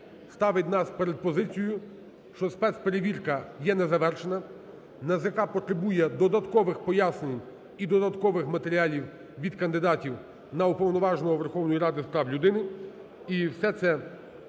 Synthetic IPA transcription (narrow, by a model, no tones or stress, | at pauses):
st̪ɑʋɪt̪ʲnɑspeɾed̪̚pɔzɪt͡sʲijʊ | ʃt͡ʃɔspɛt̪speɾeʋʲirkɐjɛnɛzɐʋɛrʃenɐ | nɐzʲjɐkɑpɔt̪ɾebujɛd̪ɔd̪ɐt̪kɔʋɪxpɔjasnʲenʲ | id̪ɔd̪ɐt̪kɔʋɪxmɐt̪eɾʲialʲiw | ʋʲid̪kɐnd̪ɪd̪ɑtʲiw | nɐʊpɔwnɔʋɑʒnɔɦɔʋerxɔwnɔjiɾɑd̪ɪspɾɑwlʲʊd̪ɪnɪ | iwsɛt̪sɛ